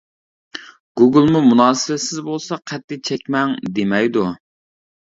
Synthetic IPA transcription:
ɡuɡɨlˠmumunɑːsɪbɛsɪzbolˠsɑqʰɛt̪̚ːɪt͡ʃʰɛkʲmɛŋd̪emɛjd̪u

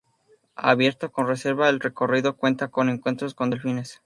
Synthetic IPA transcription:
a̰βje̞ɾt̪o̞ko̞nre̞se̞ɾβaelre̞ko̞riðo̞kwe̞nt̪ako̞ne̞ŋkwe̞nt̪ɾosko̞nd̪elfines

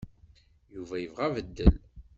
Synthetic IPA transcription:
juvæjəvʁævəd̪ːəl

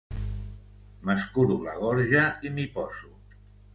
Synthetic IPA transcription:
məskuɾulaɣɔɾʒaimipɔsu

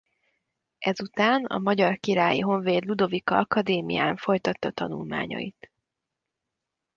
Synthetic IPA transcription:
ʔɛzut̪aːnɒ̰mɒɟɒrkiɾaːjiɦo̞ɱveːd̪lud̪o̞vikɒɒkɒd̪eːmḭjaːɱfo̞jt̪ɒt̪ːɒt̪ɒnulma̰ːɲɒ̰ḭt̪

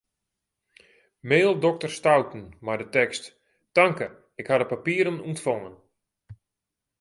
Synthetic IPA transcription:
meːlˠdɔk̚tərstawtn̩majdətɛkst | taŋkə | ɪkhadəpapiːəɾənuntfoŋən

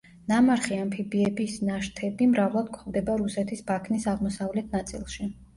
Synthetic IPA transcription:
namaɾχiampʰibiɛbisnaʃt̪ʰɛbimɾavlˠad̪̚kʰɔvd̪ɛbaɾusɛt̪ʰisbakʰnisaʁmɔsavlɛt̪ʰnat̪sʼḭlˠʃi

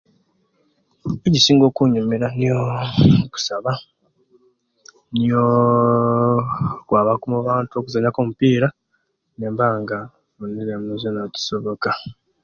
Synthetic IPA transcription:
ecisiːŋɡo̞ːkuɲumeɾanijoku̥saβa | nijo | kwaːβakumuβaːntuo̞kuzaɲakomupiːɾa | neːmbaːŋɡa | unizemuzenatu̥so̞βo̞ka

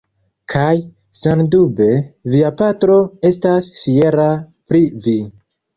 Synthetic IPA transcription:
kʰaj | sandube̞viapatɾo̞e̞stasfie̞ɾa | pɾivi

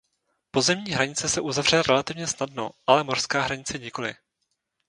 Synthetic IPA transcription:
po̞zɛmɲiːɦɾaɲɪt͡sɛsɛʔuzavr̝ɛɾʔɛlat̪ɪvɲɛsnadno̞̰ʔalɛmor̥skaːɦɾaɲɪt͡sɛɲɪko̞lɪ̰

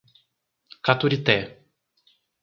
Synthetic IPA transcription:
kat̪uɾit̪e

